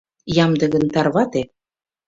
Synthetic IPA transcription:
jɑmd̪ɤ̆ɣənt̪ɑrβɑt̪e

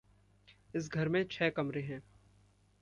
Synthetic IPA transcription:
ɪs̬ɡʱɐɾmẽt͡ʃʰɛːkɐmɾeɦɛ̃ː

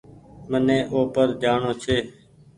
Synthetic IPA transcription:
mənẽːʔoːpəɾd͡ʒaːɳoːt͡ʃʰeː

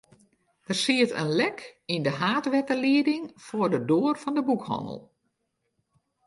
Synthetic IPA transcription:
d̥ərsiətə̰nlɛkindəɦaːtʋɛtəliədɪŋfʊːrdədoːərfɔndəbukhɔ̰nə̰lˠ

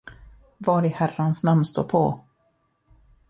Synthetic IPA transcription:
vɑːɾɪhæransnamnst̪o̰ːɾpʰɔ̰

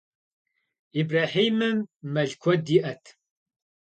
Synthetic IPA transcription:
ibraːħiːmɨmːɐɮkʷʰɔd̪iʔɐtʰ

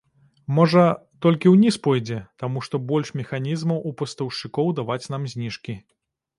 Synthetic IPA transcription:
mɔʐɐt̪ɔlʲkʲiwnʲispɔjd͡zʲɛt̪amuʂt̪ɔbɔlʲʂmʲɛxanʲizmɐwʔupɐst̪ɐwʂɨkɔwd̪avat͡sʲnamzʲnʲiʂkʲi

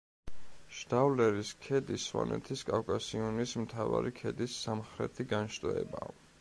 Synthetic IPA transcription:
ʃd̪̥avlɛɾiskʰɛd̪iswa̰nʔɛ̰t̪ʰiskʼavkʼasiɔnismt̪ʰava̰ɾikʰɛd̪isːamχɾɛ̰t̪ʰiɡanʃt̪ʼɔɛ̰ba

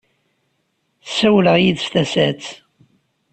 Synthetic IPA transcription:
θsæwləʁjiðst̪æsæt͡s

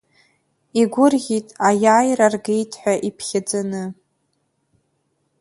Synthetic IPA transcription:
iɡʷʊrɣʲitʼajaːjrarɡejtʰħʷᶣaʔipʰχʲɪd͡zanɨ

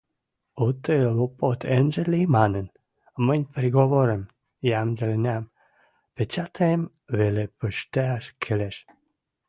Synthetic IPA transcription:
ut̪elopot̪ʰenʒəlijmɑnən | mənʲpɾiɣoβoɾəm | jæmd̪əlenʲæm | pet͡ɕɑt̪ʰeem | βelepəʃt̪eɑʃkʰeleʃ

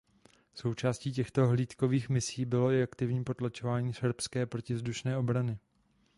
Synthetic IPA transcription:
so̞wt͡ʃaːsciːcɛxt̪o̞ɦliːt̪ko̞viːxmɪsiːbɪlo̞ɪakt̪ɪvɲiːpo̞t̪lat͡ʃo̞vaːɲiːsɛɾpskɛːpɾo̞cɪvzduʃnɛːo̞bɾanɪ

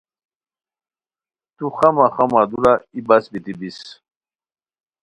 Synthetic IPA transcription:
t̪uxamaχamad̪uɾaibasbit̪ib̪is

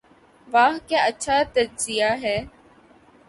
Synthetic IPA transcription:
ʋaːɦkjãːətːʃʰaːt̪əd͡ʒzɪjaːɦɛː

